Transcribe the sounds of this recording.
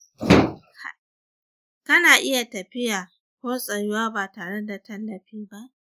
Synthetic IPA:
kɐ˦naː˨ʔɪ˦ja˨tɐ˨ɸɪ˦jaː˨ | kʷoː˦sʼɐ˨jʊ˦waː˦baː˨taː˨ɽe˦da˨tʰɐ˦lːɐ˨ɸiː˦ba˦ʔ

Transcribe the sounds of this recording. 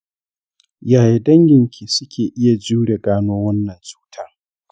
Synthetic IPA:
jaː˨je˨dɐ˦ŋɡʲɪ˨ŋkʲʰiː˨sʊ˦kʲʰeː˨ʔɪ˦ja˨d͡ʒuː˦ɽe˨ɡaː˦noː˦wɐ˦nːɐ˨nt͡ʃʼu̥ː˦tʰa˦

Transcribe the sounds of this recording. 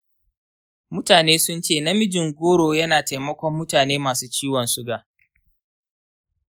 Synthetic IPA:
mʊ˦taː˨neː˦sʊ˦nt͡ʃeː˦˨nɐ˦mɪ˦d͡ʒɪ˨ŋɡʷoː˦ɽoː˨jɐ˦naː˨ta˨jmɐ˦kʷɔ˦mːʊ˦taː˨neː˦maː˨suː˦t͡ʃiː˦wɔ˨nsʊ˦ɡaː˨

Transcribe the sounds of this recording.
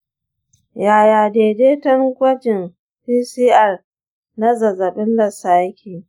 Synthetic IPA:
jaː˨jaː˨deː˨deː˦tɐ˦ŋɡʷɐ˦d͡ʒɪ˨n | piː˦siː˦ʔɐ˨r | na˦zɐ˨zɐ˨ɓɪ˦nlɐ˨saː˦kʲʰiː˨

